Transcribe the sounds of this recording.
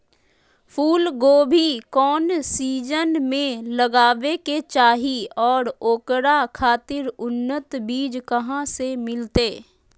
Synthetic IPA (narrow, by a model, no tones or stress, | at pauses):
pʰuːlɡoːbʱikɔːnsiːd͡ʒənmẽləɡaːʋeket͡ʃaːɦiɔːɾoːkɾakʰaːt̪ɪɾʊnːət̪biːd͡ʒkɐɦãsemɪlt̪eː